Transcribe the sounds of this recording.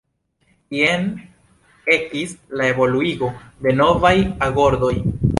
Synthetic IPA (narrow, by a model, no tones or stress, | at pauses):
ien | e̞kislae̞vo̞luiɡo̞de̞no̞vajaɡo̞ɾdo̞j